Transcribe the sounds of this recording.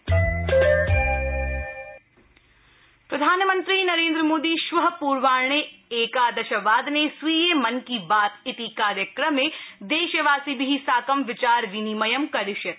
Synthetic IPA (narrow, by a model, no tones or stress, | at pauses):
pɾɐd̪ʱaːnmə̃nt̪ɾinɐɾẽːnd̪ɾəmoːd̪iʃʋɐɦpuːɾʋaːɾɳ̃eeːkaːd̪ɐʃɐʋaːd̪nesʋijemɐnkibaːt̪ɪt̪ikaːɾjəkɾəmed̪eːʃɐʋaːsibiɦisaːkɐmʋɪt͡ʃaːɾʋinimɐjɐmkɐɾɪʃjɐ